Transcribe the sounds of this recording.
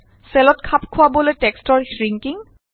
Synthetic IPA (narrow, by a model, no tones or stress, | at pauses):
sɛlɔtkʰapkʰʊwaboletɛkstɔɹɹiŋkiŋ